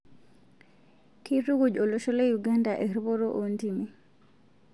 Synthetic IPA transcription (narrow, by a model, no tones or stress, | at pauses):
kʰituɡud͡ʒɔlɔʃɔlejuɡandaʔɛɾbɔɾɔʔontimi